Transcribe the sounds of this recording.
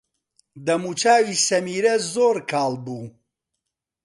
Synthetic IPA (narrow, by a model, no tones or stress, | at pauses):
d̪ɐmuːt͡ʃaːwisɐmiːɾɐzoːɾkʰaːlˠbuː